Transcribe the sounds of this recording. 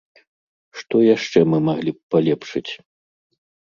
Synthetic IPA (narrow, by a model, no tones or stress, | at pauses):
ʂt̪ɔjaʂt͡ʂɛmɨmaɣlʲipalʲɛpʂɨt͡sʲ